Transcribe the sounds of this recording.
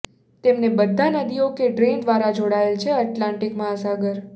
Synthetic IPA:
t̪emnebəd̪ʱːanəd̪iokeɖɾend̪ʋaɾad͡ʒoɽaelt͡ʃʰeəʈlãɳʈikmaəsaɡəɾ

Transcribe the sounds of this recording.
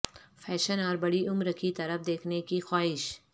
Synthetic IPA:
fʰɛːʃənɔːɾbɐɽiʊmɾəkʰit̪ɐɾəfd̪eːkʰnekixaːɦɪʃ

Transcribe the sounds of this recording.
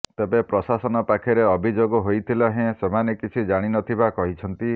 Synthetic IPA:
t̪ebepɾɔsasɔnɔpakʰeɾeɔbʱid͡ʒoɡɔɦojt̪ʰilɔɦẽsemanekit͡ʃʰid͡ʒaɽ̃inɔt̪ʰibakɔɦit͡ʃʰɔnt̪i

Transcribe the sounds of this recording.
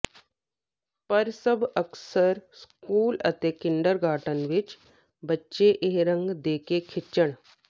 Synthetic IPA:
pəɾsəbʱəksəɾskuːlə̰t̪ekɪɳɖəɾɡʱaːʈənʋit͡ʃ | bətːʃeʔeɦɾəŋɡd̪eːkekʰɪt͡ʃːəɽ

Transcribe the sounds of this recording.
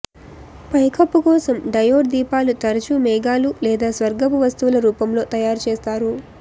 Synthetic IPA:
pɐjkʰɐpːukɔːsɐmɖɐjoːɖd̪iːpaːlut̪ɐɾɐt͡ʃumɛːɡaːlulɛːd̪aːsʋɐɾɡɐpuʋɐst̪uʋulɐɾuːpɐmlo̞ːt̪ɐjaːɾt͡ʃeːst̪aːɾu

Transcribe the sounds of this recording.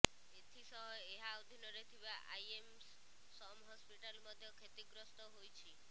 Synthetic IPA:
et̪ʰisɔɦɔeɦaːʋd̪ʱinɔɾet̪ʰiʋaʔa̰jems | sɔmɦɔspiʈalmɔd̪ʱjɔkʰet̪iɡɾɔst̪ɔɦojt͡ʃʰi

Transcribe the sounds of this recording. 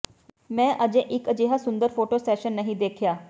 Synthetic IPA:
mɛ̃ːʔəd͡ʒẽːʔɪkəd͡ʒeːɦaːsʊnd̪əɾpʰoːʈoːsɛːʃənːəɦĩd̪eːkʰjaː

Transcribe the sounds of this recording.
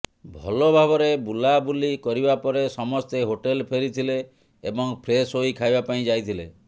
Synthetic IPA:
bʱɔ̰lobʱabɔɾebulabulikɔɾibapɔɾesɔmɔst̪eɦoʈelpʰeɾit̪ʰileː | bɔŋpʰɾesoikʰajbapaĩd͡ʒajt̪ʰilḛ

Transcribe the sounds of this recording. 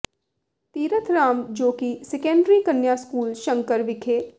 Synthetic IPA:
t̪iːɾət̪ʰɾaːmd͡ʒoːkisɛkɛ̃ːɳɖɾiːkənːjaːskuːlʃə̃ŋkəɾʋɪkʰeː

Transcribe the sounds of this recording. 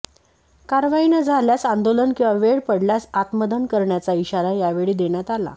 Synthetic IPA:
kaɾʋainəd͡zʱaljasand̪olənkĩw̃ʋaʋeɽpəɽljasat̪məd̪ənkəɾɳjat͡saiɕaɾajaʋeɭiːd̪eɳjat̪ala̰

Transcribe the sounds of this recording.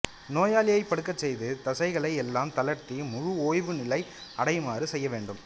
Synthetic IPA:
noːjaːlɪjɐɪpːɐɽɯkːɐt͡ʃːɛjðɯt̪ɐsɐɪɣɐɭɐɪɛlːaːmt̪ɐlɐɾt̪imʊɻʊoːjʋɯnɪlɐɪɐɽɐɪmaːɾɯsɛjːɐʋeːɳɖɯm

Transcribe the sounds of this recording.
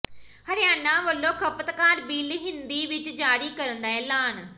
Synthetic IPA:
həɾɪjaːnãːʋəlːõːkʰəpət̪kaːɾbiːlɦɪnd̪iːʋɪt͡ʃd͡ʒaːɾiːkəɾənd̪aːɛ̃ːlaːn

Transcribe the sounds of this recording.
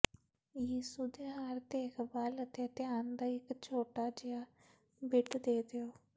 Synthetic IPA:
jiːsud̪eːɦaːɾt̪eːɪkbalət̪et̪ɪjaːnd̪aːɪkt͡ʃʰoːʈaːd͡ʒɪaː | bɪʈd̪eːd̪eoː

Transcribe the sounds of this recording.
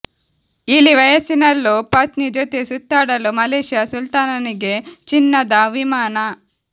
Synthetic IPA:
ilːiʋɐjɐsinɐlːupɐt̪nid͡ʒot̪esut̪ːaːɽɐlumɐleːʃjɐsult̪aːnɐniɡe̞t͡ʃinːɐd̪ɐʋimaːnɐ

